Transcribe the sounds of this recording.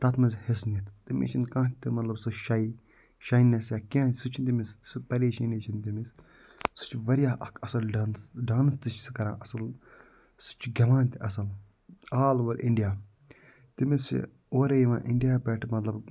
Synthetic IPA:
t̪ɐt̪mɐzʲhesnit̪t̪imḭt͡ʃʰinkãːt̪ɨmɐt̪lɐbsɨʃɐi | ʃɐinɐsjaːkiãːsɨt͡ʃʰinʲt̪imist̪sɨpɐɾeːʃɐːneːt͡ʃʰint̪imis | sɨ̥t͡ʃʰʋɐɾijaːʔɐkʰɐsɐlɖansɖaːnst̪ɨt͡ʃsɨ̥kɐɾã̰ːʔɐsɨl | sɨ̥t͡ʃʰɡʲɐʋãːnt̪ʲiɐsɐl | aːlʋɐɾʲʔḭɳɖijaː | t̪imis | oːɾejiʋã̰ːʔɪɳɖijaːpɛʈʰmɐt̪lɐb

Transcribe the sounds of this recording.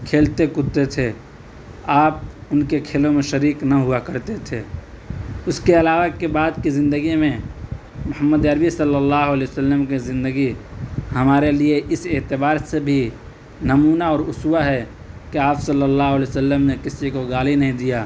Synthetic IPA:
kʰeːlt̪ekʊt̪ːet̪ʰe | aːp̚ʊnkekʰeːlõmẽʃəɾiːknaɦʊakəɾt̪et̪ʰe | ʊskeɐlaːʋakebaːd̪kizɪ̃nd̪əɡimẽ | mʊhəmːəd̪əɾbisəlːəlːaːɦʊəlɛːʊsəlːəmkizɪ̃nd̪əɡiɦəmaːɾelieʔɪseːt̪ɪbaːɾsebʱi | nəmuːnaɔːɾʊswaɦɛ | keaːpsəlːəlːaːɦʊəlɛosəlːəmnekɪsikoɡaːlinɐɦĩd̪ijaː

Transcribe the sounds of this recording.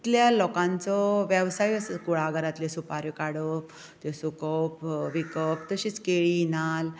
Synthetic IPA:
it̪ljalɔkãnt͡sɔʋjɛʋsajəsəkuɭaɡəɾat̪lesupaɾjɔkaɽəp | t̪esukəwpʋikəp̚t̪əɕiːt͡skeɭinal

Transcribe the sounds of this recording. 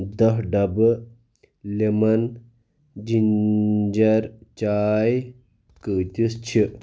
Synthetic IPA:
d̪ɐɦɖɐb | lemɐn | d͡ʒind͡ʒɐɾt͡ʃaːj | kət̪ʲist͡ʃʰi

